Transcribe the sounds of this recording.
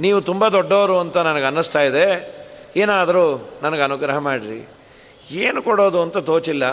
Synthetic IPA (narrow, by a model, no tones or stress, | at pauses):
niːʋut̪umbɐd̪ɔɖːɐʋɐɾuɐnt̪ɐnɐnɐɡeɐnːust̪aːjid̪e̞eːnaːd̪ɐɾunɐnɐɡeɐnuɡɾɐɦɐmaːɽiɾḭ | eːnukɔɽo̞ːd̪uɐnt̪ɐt̪o̞ːt͡ʃilːɐ